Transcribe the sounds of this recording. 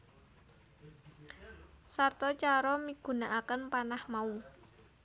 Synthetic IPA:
sart̪ɔt͡ʃaɾɔmiɡ̥ṳnaʔakənpanahmau

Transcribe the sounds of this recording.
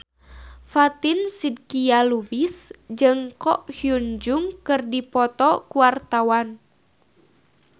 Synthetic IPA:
fat̪insid̚kialubisd͡ʒɨŋkɔʔhjund͡ʒuŋkɨrdipɔt̪ɔkuwart̪awan

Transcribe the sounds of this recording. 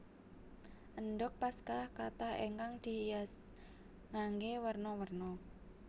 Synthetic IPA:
ʔənɖʊk̚paskahkat̪ahḛŋkaŋd̪̥i̤jas | ŋaŋɡewərnɔwərnɔ

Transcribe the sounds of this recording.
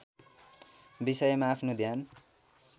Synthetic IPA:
bisʌjmaːpʰnod̪ʱjan

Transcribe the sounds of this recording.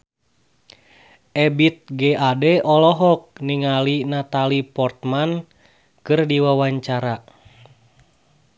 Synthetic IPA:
ʔɛbit̪̚ɡɛadɛʔɔlɔɦɔk̚niŋalinat̪alipɔrt̪̚man | kɨrdiwawaɲt͡ʃaɾa

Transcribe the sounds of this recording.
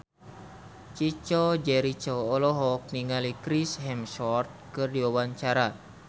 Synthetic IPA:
t͡ʃit͡ʃɔd͡ʒɛɾit͡ʃɔːlɔɦɔk̚niŋalikɾisɦɛmsɔrt̪̚kɨrdiwawaɲt͡ʃaɾa

